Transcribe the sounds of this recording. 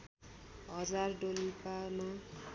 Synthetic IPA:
ɦʌd͡zarɖolipana

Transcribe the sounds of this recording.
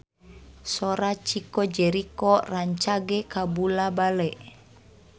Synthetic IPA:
sɔɾat͡ʃikɔd͡ʒɛɾikɔraɲt͡ʃaɡɛkabulabalɛʔ

